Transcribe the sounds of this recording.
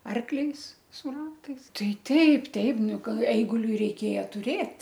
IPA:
ˈɐrklʲɛɪs sʊ ˈrɑːtɐɪs ˈtɐɪ ˈtʲɛɪp ˈtʲɛɪp ˈnʊ ˈkɐɪ ˈɛɪɡʊlʲʊɪ rʲɛɪˈkʲeːjɛ tʊˈrʲeːtʲ

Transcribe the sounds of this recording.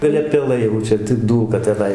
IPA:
ɡɐˈlʲɛ pʲɛˈlˠɐɪ jɛʊ ˈt͡ʃʲɛ tʲɪk ˈduːlˠkɐ tʲɛˈnɐɪ

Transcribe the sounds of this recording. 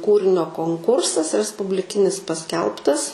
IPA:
ˈkuːrʲɪnʲoː koːŋˈkʊrsɐs rʲɛspʊbʲlʲɪˈkʲɪnʲɪs pɐˈsʲkʲɛlˠptɐs

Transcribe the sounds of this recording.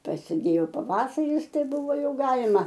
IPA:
prɐsʲɪˈdʲeːjoː pɐˈʋɑːsɐrʲɪs ˈtɐɪ ˈbʊʋoː ˈjɛʊ ˈɡɑːlʲɪmɐ

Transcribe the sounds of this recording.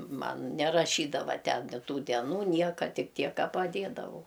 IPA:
ˈmɐn nʲɛrɐˈʃʲiːdɐʋɐ ˈtʲɛn ˈtuː dʲɛˈnuː ˈnʲiɛkɐ ˈtʲɪk ˈtʲiɛk ˈkɐ pɐˈdʲeːdɐʋɐʊ

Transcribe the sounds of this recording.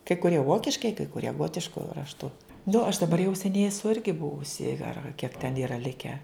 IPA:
kɐɪ kʊˈrʲiɛ ˈʋoːkʲɪʃkɐɪ kɐɪ kʊˈrʲiɛ ˈɡoːtʲɪʃkʊ rɐʃˈtʊ nʊ ɐʃ dɐˈbɐr jɛʊ sʲɛˈnʲɛɪ ɛˈsʊ ˈɪrʲɡʲɪ ˈbʊʋʊsʲɪ ɐr ɐr kʲiɛk tʲɛn ˈiːrɐ ˈlʲɪkʲɛ

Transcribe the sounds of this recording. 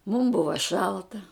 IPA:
mʊm ˈbʊʋɐ ˈʃɐlˠtɐ

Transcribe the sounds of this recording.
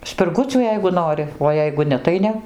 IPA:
sʲpʲɪrˈɡʊt͡sʲuː ˈjɛɪɡʊ ˈnoːrʲɪ oː ˈjɛɪɡʊ ˈnʲɛ tɐɪ ˈnʲɛ

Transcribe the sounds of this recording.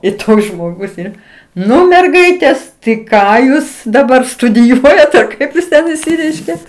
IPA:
ɪ ˈtoːks ʒmoːˈɡʊs ˈɛɪn ˈnʊ mʲɛrˈɡɐɪtʲeːs tɐɪ ˈkɑː ˈjuːs dɐˈbɐr stʊdʲɪˈjuɔjɛt ɐr ˈkɐɪp jɪs ˈtʲɛn ɪʃʲˈsʲɪrʲɛɪʃʲkʲeː

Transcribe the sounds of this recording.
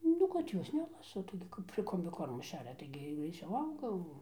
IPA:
ˈnʊ kɐt ˈjoːs ˈnʲæːlˠɐsɐ ˈtɐɪɡʲɪ kɐp ɪr koːmʲbʲɪˈkoːrmʊ ˈʃʲæːrʲɛ ˈtɐɪɡʲɪ ɡrʲɛɪˈt͡sʲɛʊ ɐʊɡɐ jɛʊ

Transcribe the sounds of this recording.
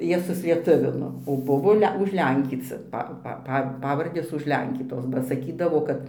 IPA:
ˈjiɛ sʊsʲlʲiɛˈtʊʋʲɪnoː oː ˈbʊʋoː ˈlʲɛ ʊʒʲˈlʲɛŋʲkʲiːt͡sʲɪ ˈpɐ pɐ ˈpɐ ˈpɑːʋɐrʲdʲeːs ʊʒʲˈlʲɛŋʲkʲiːtoːs bɐ sɐˈkʲiːdɐʋoː ˈkɐt

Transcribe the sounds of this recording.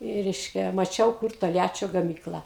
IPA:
ɪ ˈrʲɛɪʃʲkʲɛ mɐˈt͡ʃʲɛʊ kʊr toːlʲˈjæːt͡ʃʲoː ɡɐˈmʲiːklˠɐ

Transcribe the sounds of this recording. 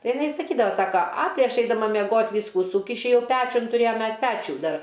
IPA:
ˈtɐɪ ɪˈnɐɪ sɐˈkʲiːdɐʋɐ ˈsɑːkɐ ɐ ˈtɐɪ ˈɐʃ ɛɪdɐˈmɐ mʲɛˈɡoːtʲ ˈʋʲiːskʊ ˈsuːkʲɪʃʲɪ ˈjɛʊˈpʲæːt͡ʃʲʊn tʊˈrʲeːjɛm ˈmʲɛs ˈpʲæːt͡ʃʲuː ˈdɐr

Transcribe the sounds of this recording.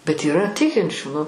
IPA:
bʲɛt iːˈrɐ ˈtʲɪkʲɪnʲt͡ʃʲuː nʊ

